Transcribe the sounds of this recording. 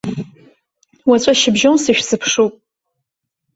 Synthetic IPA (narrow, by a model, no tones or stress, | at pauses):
wat͡ɕʷʼaʃɪbʒonsɨʃᶣsɨpʰʂupʼ